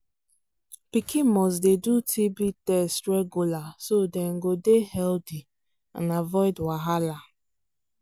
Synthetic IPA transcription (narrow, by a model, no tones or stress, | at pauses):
pikʰimɔs̬dedutʰibitɛstɾeɡulasodeŋ̩ɡodehɛldi | a̰navɔɪdwaɦala